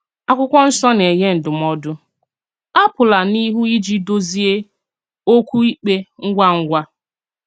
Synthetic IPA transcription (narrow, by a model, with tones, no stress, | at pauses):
a˦kʷʊ˦kʷɔ˦n̩˦sɔ˦ne˨ɦe˦n̩˨dʊ˨m˦ɔ˦dʊ˦ | a˦pʊ˨la˨ni˦ɦu˦i˦d͡ʒi˦do˦zi˦e˦ | o˦kʷu˦i˦k͡pe˦ŋ̩˦ɡʷa˦ŋ̩˦ɡʷa˦